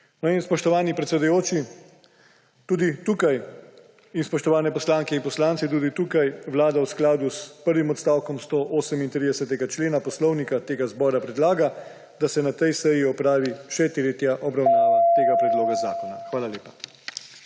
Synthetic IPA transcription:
nɔinspɔʃt̪ɔʋaːnipɾɛt̪sɛd̪ujoːt͡ʃi | t̪uːd̪it̪uːkaj | inspɔʃt̪ɔʋaːnɛpɔslaːŋkɛinpɔslaːnt̪sit̪̬uːd̪it̪uːkajʋlaːd̪awsklaːd̪uspəɾʋimɔt̪st̪aːwkɔmst̪oʔoːsəmint̪ɾid̪ɛsɛt̪ɛɡat͡ʃleːnapɔslɔwnikat̪eːɡazbɔːɾapɾɛd̪laːɡa | d̪asɛnat̪ɛjsɛjiɔpɾaːʋiʃɛt̪ɾet̪jaʔɔbɾawnaːʋat̪eːɡapɾɛd̪loːɡazaːkɔnaxʋaːlaleːpḁ

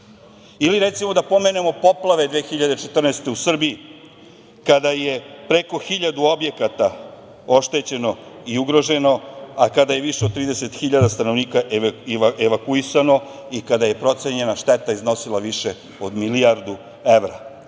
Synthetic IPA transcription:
iliɾet̪simo̞d̪apo̞me̞ne̞mo̞po̞plˠaʋed̪ʋeːxiʎad̪e̞t͡ʃe̞t̪r̩nest̪e̞usr̩bii | kad̪aje̞pɾeko̞xiʎad̪uo̞bje̞kat̪a | o̞ʃt̪e̞t͡ɕe̞no̞iuɡɾo̞ʒe̞no̞akad̪aje̞ʋiʃeod̪̚t̪ɾiːd̪ese̞t̪xiʎad̪ast̪ano̞ʋniːkaʔiʋeʋakuisano̞ | ikad̪aje̞pɾo̞t̪seɲe̞naʃt̪et̪aizno̞silˠaʋiʃe | od̪miliaɾd̪u | e̞ʋɾa

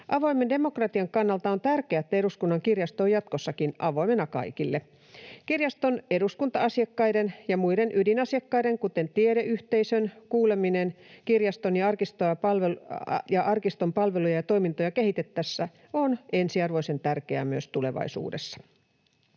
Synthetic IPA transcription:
ʔɑʋo̞imendemo̞krɑt̪iɑŋkɑnːɑlt̪ɑont̪ærkeæt̪ːæeɾuskunːɑŋkirjɑst̪oːjɑt̪kosːɑkinɑʋo̞jmenɑkɑ̰ikilːe | kirjɑst̪one̞ɾuskunt̪ɑɑsiɑkːɑjdenjɑmuide̞nʔydinɑsiɑkːɑjdeŋkut̪e̞nt̪ieɾeʔyht̪e̞isønkuːle̞minenkirjɑst̪onjɑɑrkist̪ojɑɑlʋejɑʔɑrkist̪o̞mpɑlʋe̞lujɑjɑt̪o̞imint̪ojɑkehit̪et̪ːæsːæ | onensiɑrʋo̞ise̞nt̪ærkeæmyøst̪ule̞̰ʋɑ̰isṵːdesːɑ̥

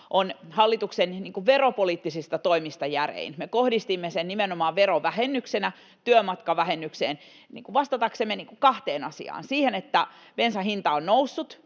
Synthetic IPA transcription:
ʔonhɑlːit̪uksenniːŋkuʋʋeropoliːt̪ːisist̪ɑt̪oimist̪ɑjærḛinmekohdist̪imːesennimenomɑːʋʋeroʋʋæhenːyksenæ | t̪yømɑt̪kɑʋæhenːykseːn | nḭːŋkuʋʋɑst̪ɑt̪ɑksemːeniːŋkukɑht̪eːnɑsḭɑ̰ːnsiːhenet̪ːæ | pensæhint̪ɑonnousːut̪

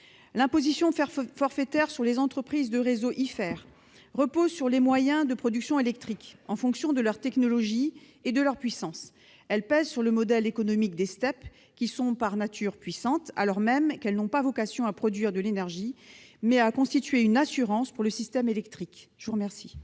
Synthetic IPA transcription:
lɛ̃pozisjɔ̃fɔʁfɛt̪ɛʁsyʁlezɑ̃t̪χəpχizd̪əʁezoʔifɛːʁ | ʁəpozsyʁlemwajɛ̃d̪əpχɔd̪yksjɔ̃elɛk̚t̪χikɑ̃fɔ̃ksjɔ̃d̪əlœʁt̪ɛknɔlɔʒi | ed̪əlœʁpɥisɑ̃s | ɛlpɛzsyʁləmɔd̪ɛlekɔnɔmik̚d̪est̪ɛp | kʲisɔ̃paʁnat̪ʰyʁpɥisɑ̃t̪a̰lɔʁmɛmkɛlnɔ̃pavɔkasjɔ̃apχɔd̪ɥiʁd̪əlenɛʁʒimɛakɔ̃st̪it̪ɥeynasyʁɑ̃spuʁləsist̪ɛmelɛkt̪χikʒəvuʁəmɛʁsi

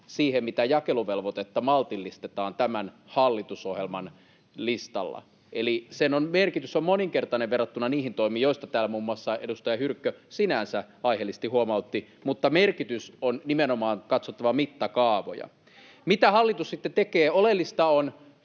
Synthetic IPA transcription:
siːhemmit̪æjɑkeluʋelʋot̪et̪ːɑmɑlt̪ilːist̪et̪ɑːnt̪æmæn | hɑlːit̪usohjelmɑn | list̪ɑ̰lːɑ̰ | ʔelisenonmerkit̪ysommoniŋkert̪ɑneʋʋerɑt̪ːunːɑniːhint̪oimiːjoist̪ɑt̪æːlːæmuːmːuɑsːɑʔedust̪ɑjɑhyrkːøsinænsæ | ɑihelːis̆t̪ihuomɑut̪ːimut̪ːɑmerkit̪ysonnimenomɑːŋkɑt̪sot̪ːɑʋɑmit̪ːɑkɑːʋo̰jɑ̰ | mit̪æhɑlːit̪ussit̪ːet̪ekeːolelːist̪ɑon

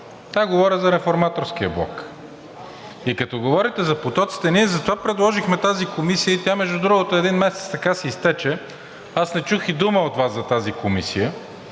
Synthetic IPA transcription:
t̪aɡovɔɾəzɐɾɛfoɾmat̪oɾsk̟ijəblˠɔ̰k | ikɐt̪ɔɡovɔɾit̪ɛzɐpot̪ɔt̪si̥t̪ɛniɛzɐt̪ovapɾɛd̪lˠɔʒixmɛt̪azikomisijəit̪ʲamɛʒd̪ud̪ɾuɡot̪oɛd̪inmɛsɛt̪st̪ɐkasɛist̪ɛt͡ʃɛ | asnɛt͡ʃuxid̪uməot̪vaszɐt̪azikomisijə

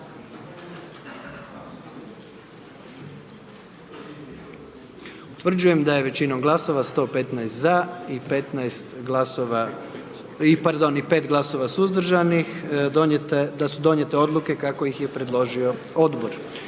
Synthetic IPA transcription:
ut̪ʋr̩d͡ʑuje̞md̪aje̞ʋet͡ɕino̞mɡlˠaso̞ʋast̪o̞ːpe̞t̪najst̪zaipet̪naest̪ɡlasoa | ipaɾd̪o̞nipe̞ːt̪ɡlˠaso̞ʋasuzd̪r̩ʒanix | d̪asud̪o̞nje̞t̪e̞o̞d̪lˠuke̞kakoixje̞pɾe̞d̪lo̞ʒio̞ | o̞d̪bo̞ɾ

